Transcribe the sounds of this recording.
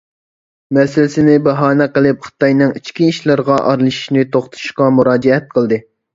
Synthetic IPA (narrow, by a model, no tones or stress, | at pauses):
mɛsɪlɪsɪnɪbɛɦɑːnɛqəlˠɨp̚χə̥t̪ɑjnɨŋit͡ʃkʲiiʃlɑɾʁɑʔɑ̰ɾlˠɨʃi̥ʃnɪt̪ʰoχt̪ʰu̥ʃqɑmuɾɑːd͡ʒɛɛt̪̚qʰəlˠd̪ɨ